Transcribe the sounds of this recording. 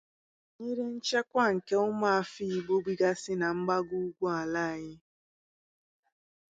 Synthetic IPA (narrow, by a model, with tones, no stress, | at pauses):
ɲi˦ɾe˦n̩˦t͡ʃe˦kʷa˦ŋ̩˨ke˦ʊ˦ma˦a˨fi˦i˨ɡ͡bo˦ɡ͡bi˦ɡa˦sɪ˦na˨ŋ͡m̩˦ɡ͡ba˦ɡu˦u˦ɡʷu˦a˨la˦a˨ɲɪ˦